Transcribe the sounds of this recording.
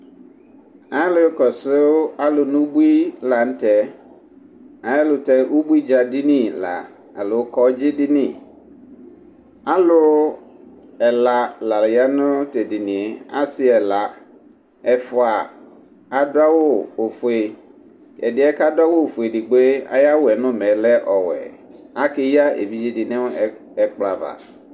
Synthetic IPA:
a˨˦ɛ˦lʊ˨˦kɔ˨sʊ˦a˦lʊ˨nʊ̃˦bu˦i˦la˨n̩˦tʰɛ˨ | a˨˦ɛ˦lʊ˨tʰɛ˦ʔo˦bu˦i˦d͡ʑa˨di˦nĩ˦la̰˨ | a̰˨lʊ˨˦kʰɔ˦d͡ʑɪ˦dɪ˦nɪ̃˦˨ | a˦lʊ˦ | ɛ˨la˨la˨lɪ˨ja˦nʊ̃˦te˨dɪ˨nɪ̃˨ɛ˨a˦sɪ˦ɛ˨la˨ | ɛ˨fʊ˨a˨ | a˨da˦wʊ˦o˨fʊ˨e˨ | ɛ̰˨dɪ˨˦ɛ˦ka˦da˦wo˦˨fʊ˨e˨dɪ˨ɡ͡be˦a̰˦ja˦wʊ˦ɛ˨nʊ̃˦mɛ̃˨lɛ˦ʔɔ˨wɛ̰˨ | a˦ke˦ja˦ʔḛ˨vi˦d͡ʑi˦dɪ˨nɛ̃˦ɛ˨k͡pla˨va̰˨

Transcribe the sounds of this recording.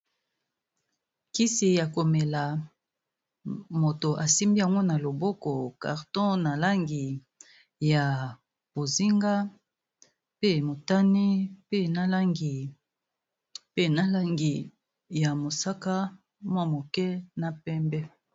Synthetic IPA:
ki˦si˨ja˨ko˨mɛ˨la˨ | mo˨to˨ʔa˨si˦mbi˦a˨ŋɡo˦na˨lo˨bɔ˦kɔ˨ka̰˨ʁtɔ̃˦na˨la˦ŋɡi˨ | ja˨ | b̥o˨zi˦ŋɡa˦ | pe˦mo˨ta˦ni˦pe˦na˦la˦ŋɡi˨ | pe˦na˦la˦ŋɡi˨ | ja˨mo˨sa˦ka˦ | mwa˦mo˨kɛ˦na˨pɛ˦mbɛ˦

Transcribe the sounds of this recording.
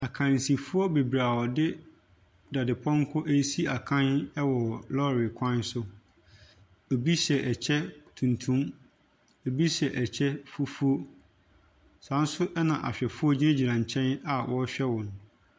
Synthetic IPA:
a˨kʰã˨n˨si˨fu˦ɔ˦be˨bɾa˨wɔ˨dɪ˦ | da˨dɪ˨pʰɔ̃˦ŋ˦kʰʊ˦ʔe˦si˦a˨kʰã˦nɛ˦wɔ˨lɔ˦ɾɪ˨kʷʰã˦n˦sʊ˦ | o˨bi˦sɛ˨ʔɛ˨t͡ɕʰɛ˦tʰũ˨ntʰũ˦m | o˨bi˦sɛ˨ʔɛ˨t͡ɕʰɛ˦fu˦fu˦o˦ | sã˨˦n̩˦sʊ˦ʔɛ˦nã˨ʔa̰˨ɕᶣɛ˨fu˦ɔ˦d͡ʑi˦e˦d͡ʑi˨ɾã˨ɲ˨t͡ɕʰɛ̃˦na˨wʔɔ˦ɕᶣɛ˦wɔ̃˨n˨

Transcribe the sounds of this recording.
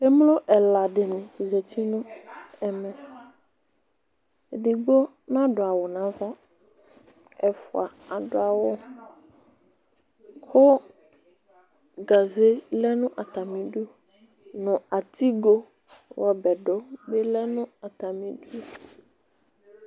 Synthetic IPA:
ɛ˦m˦lʊ˦ʔɛ˨la˨dɪ˨nɪ̃˨zɛ˨t̪ʰi˦nʊ̃˦ɛ˨mɛ̃˨ | e˨dɪ˨ɡ͡bo˦ | nã˦dʊ˨a˨wɔ˨nã˨˦va˦ | ɛ˨fʊ˨a˨a˨dʊ˨a˨wɔ˦ | kʰʊ˦ | ɡa˨ze˦lɛ˦nʊ̃˦ʔa˨t̪a˨mĩ˨du˦o˨ | nʊ̃˨a˨t̪i˦ɡo˦ | wʔɔ˨bɛ˨dɔ˦bɛ˦lɛ˦nʊ̃˦a˨t̪a˨mĩ˦du˦o˦˨

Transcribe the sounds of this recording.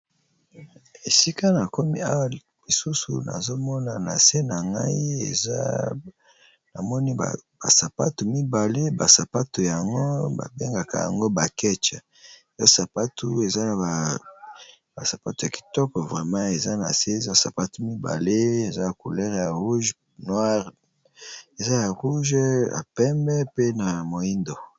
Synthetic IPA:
e˨si˦ka˦na˨ko˦mi˦a˦wa˨ | li˨su˦sṵ˨na̰˨zo˦mɔ˦na˨na̰˨se˦na˨ŋɡa̰˦i˦ḛ˨za˦ | na̰˨mɔ˦ni˦a̰˨ba̰˨sa˨pa˦tu˨mi˦ba˨le˦ba˨sa˨pa˦tu˨ja˨ŋɡo˦ba̰˨be˦ŋɡa˨ka̰˨ja̰˨ŋɡo˦ba˨kɛ˦t͡ʃa˨ | za˦sa˨pa˦tu˦e˨za˦na˨a˨ | ba˨sa˨pa˦tu˨ja˨ki̥˨tɔ˦kɔ˨vʁɛ˨mã˦e˨za˦na̰˨se˦˨za˦sa˨pa˦tu˦mi˦ba̰˨le˦e˨za˦ja˨ko˨lɛ˦ʁja˨ʁu˦ʒ | nwa˦ʁ | e˨za˦ja˨ʁu˦ʒa̰˨pɛ˦mbɛ˦pe˦na˨mo˨i˦ndo˨

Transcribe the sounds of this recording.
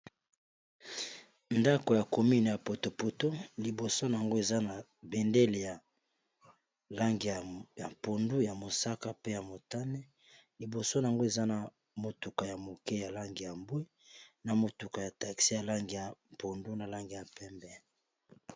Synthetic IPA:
nda˦ko˨ja˨ko˨mi˦n˨ja˨po˨to˨po˨tpo˦li˨bo˨so˦n˨a˨ŋɡo˦e˨za˦na˨ | bɛ˨nde˦le˨ja˨ | la˦ŋɡi˨ja˨po˨ndu˦ja˨mo˨sa˦ka˦pe˦ja˨mo˨ta˦nɛ˦ | li˨bo˨so˦na˨a˨ŋɡo˦e˨za˦na˨ | mo˨tu˨ka˨ja˨mo˨ke˦ja˨la˦ŋɡi˨ja˨mbwi˦ | na˨mo˨tu˨ka˨ja˨ta˨ksi˦ja˨la˦ŋɡi˨ja˨po˨ndu˦na˨la˦ŋɡi˨ja˨pɛ˦mbɛ˦

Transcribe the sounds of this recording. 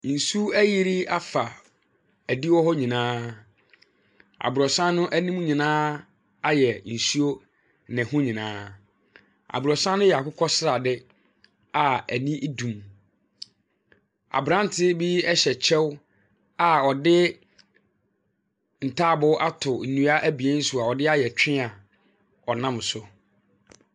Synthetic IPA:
n̩˨su˦æ˦ji˦ɾi˦a˦fa˨ | æ˨di˦wɔ˦ɦɔ˦ɲĩ˨nãː˦ | a̰˨bʊ˨ɾɔ˨sã˦nʊ̃˦ʔæ˦nĩ˦m̃˦ɲĩ˨nãː˦ | a˦jɛ˨n̩˨su˦o˦ | nɪ̃˨hʊ̃˦ɲĩ˨nãː˦ | a̰˨bʊ˨ɾɔ˨sã˦nːʊ̃˦jɛ˨a˨kʊ˦kʰɔ˦sɾa˨dɪ˦ | a˨æ˨nĩ˦ʔdũ˨m | a̰˨bɾã˦n˦tʰɪ˦bi˦ɛ˦ɕɛ˨t͡ɕʰɛ˦w | a˨ɔ˨dɪ˦ | n̩˨tʰaː˦˨bʊ˦ʔa˦tʰʊ˨n̩˨nũ˨a˦ʔæ˦bi˨e˦n̩˦sʊ˦a˨ɔ˨dɪ˦a˦jɛ˨t͡ɕᶣɪ̃˦a˨ | ɔ˨nã˦m˨sʊ˦

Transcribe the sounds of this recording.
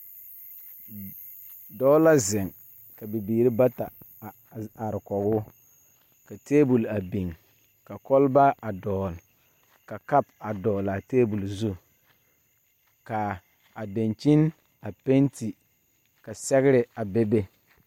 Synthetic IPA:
dɔ˦la˦zɪ˨ŋ | ka˨bi˨biː˨ɾɪ˦ba˦ta˨ | a˨ɾɪ˨kɔ˨ɡʊ˦ | ka˨teː˦bu˨la˨bi˨ŋ | ka˨kɔ˦lba˦a˨dɔː˨l | ka˨ka˦pa˨dɔː˨la˨teː˦bu˨lzu˦ | kaː˨ | de˨nt͡ʃi˦n | a˨pe˦nti˨ | ka˨sɛ˦ɡɪ˦ɾɪ˨a˨bɛ˦be˦

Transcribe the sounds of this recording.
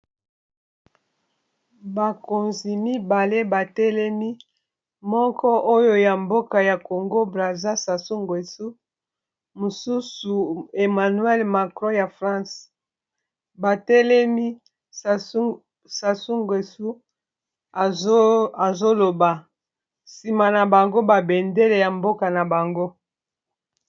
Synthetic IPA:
ba˨ko˨nzi˨mi˦ba˨le˦ba˨tɛ˦lɛ˦mi˦ | mɔ˦kɔ˦ʔo˦jo˦ja˨mbo˦ka˨ja˨ko˨ŋɡo˦bʁa˨za˦sa˨su˦ŋɡwe˨su˦ | mo˨su˦su˨e˨ma˨nɥɛ˦lma˨kʁõ˦ja˨fʁã˦s | ba˨tɛ˦lɛ˦mi˦ | sa˨su˦ŋɡwe˨su˦ | a˨zo˦lo˨ba˨ | si˨ma˨na˨ba˨ŋɡo˦ba˨be˨nde˦le˨ja˨mbo˦ka˨na˨ba˨ŋɡo˦

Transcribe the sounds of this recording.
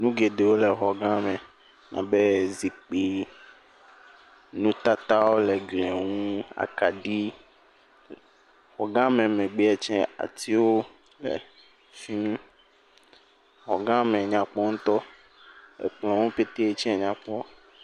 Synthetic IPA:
nũ˦ɡe˨de˨wo˦le˨xɔ˨ɡã˦mɛ̃˨ | nã̰˨be˦zi˨k͡pi˦ | nũ˦t̪a˦t̪a˦wo˦lɛ˨ɡle˨ŋũ˦a̰˨ka˨ɖi˦ | xɔ˨ɡã˦mɛ̃˨mɛ̃˨ɡ͡be˦ɛ˨t͡ʃɛ̃˦a̰˨t̪ʰi˦wo˦ | lɛ̰˨ | fi˦nũ˦ | xɔ˨ɡã˦mɛ̃˨ɲã˨k͡pɔ˦ŋũ˦t̪ɔ˦ | ḛ˨k͡plɔ̃˨ŋũ˦pe˦t̪e˦e˦t͡ʃɛ̃˦˨ɲã˨k͡pɔ˦

